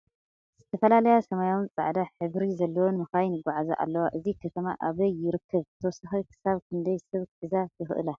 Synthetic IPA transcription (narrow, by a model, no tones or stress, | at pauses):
z̥ɨt̪ʰɐfɐlalɐjasɐmajawnt͡sʼa̰ʕd̪aħɨβɾizɐlːɐwonmɨxajnɨɡʷaʕazaʔa̰lːɐwaʔɨzikʰɐt̪ʰɐmaʔaβɐjːɪɾɨkʰːɐβt̪ʰɐwɔsɨxijkʰɨ̥saβkʰɨnd̪ɐjsɨβkħɨzajʰɨxʔɨ̰la